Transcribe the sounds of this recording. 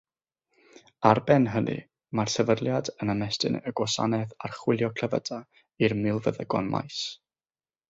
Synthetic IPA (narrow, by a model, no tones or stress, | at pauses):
arbɛnɦənɨ̰ | marsɛvədlˠjadənamɛstɨ̰nəɡwɔsa̰nɛða̰rχwɪlˠjɔkʰləvə̰da | irmɪlˠvəðəɡɔnma̰js